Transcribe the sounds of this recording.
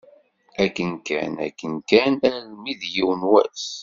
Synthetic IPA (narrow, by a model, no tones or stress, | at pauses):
ækːənkæ̰næ̰kːənkænæɾlmiðjiwənwæ̰s